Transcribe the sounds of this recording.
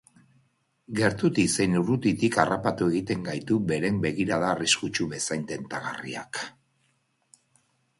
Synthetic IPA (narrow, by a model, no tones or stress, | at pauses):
ɡe̞ɾt̪ut̪ise̞jnuɾut̪it̪ikarapat̪ue̞ɣ̞it̪e̞ŋɡajt̪uβe̞ɾe̞mbe̞ɣ̞iɾaðaːriskut͡ʃuβe̞sajnt̪e̞nt̪aɣa̰rḭa̰k